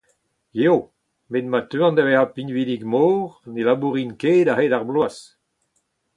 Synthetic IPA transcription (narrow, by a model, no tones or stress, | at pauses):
jeo | medmat̪øɑ̃ndavɛhapinvidiɡmoːʁnelabuʁinkeːdaɦedaʁblwas